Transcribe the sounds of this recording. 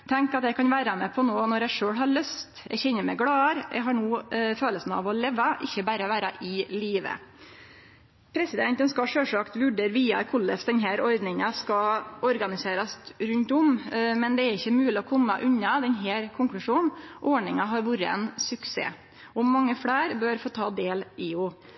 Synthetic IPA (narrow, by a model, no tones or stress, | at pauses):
t̪ʰɛŋkɑt̪d̪ɛɪkɑnʋæːɾɑmɛpʰɔnoːnɔɾæɪʂøːɽɦɑɾɭœst̪jæ̰ɪçɛnːəɾmɛɡɽɑːɑɾjʔæ̰ɡɦɑɳuːføːləsn̩ɑ̰ʋɔleːʋɑʔɪçːəbæɾəɔʋæːɾɑʔɪliːʋə̰ | pʰɾɛsɪd̪ɛnt̪ənskɑɑʂøːʂɑkt̪ʋʊɖəɾʋiːɑ̰kʰʊlːəfsd̪ɛnɦæːɾɔɾd̪nɪŋɑskɑɔɾɡɑnɪseːɾɑsɾʉnt̪ʊmmɛnd̪ɛæɾɪçːəmʉːlɪɔkʰɔmːɑʔʉɲːɑd̪ɛnɦæːɾkʰʊŋklʉʂuːnʔoːɳɪŋɑɦɑɾʋuːɾəɛ̰nsʉksḛː | ɔmɑŋːəfɽæːɾbøɾfoːt̪ʰɑːd̪eːlɪʊ